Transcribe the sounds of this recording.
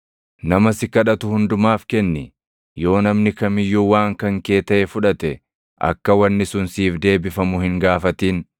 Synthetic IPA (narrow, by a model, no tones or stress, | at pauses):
nɐmɐsɪkɐᶑɐt̪ʊhʊnd̪ʊmaːfkɛnːɪ | jo̞ːnɐmnɪkɐmɪjːuːwaːŋkɐŋke̞ːt̪ɐʔɛfʊᶑɐt̪ɛ | ʔɐ̰kːɐwɐnːɪsʊnsiːfd̪e̞ːbɪfɐmʊhɪŋɡaːfɐt̪iːn